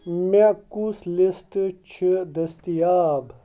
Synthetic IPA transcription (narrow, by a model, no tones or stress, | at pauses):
mekuslisʈt͡ɕʰid̪ɐst̪ijaːb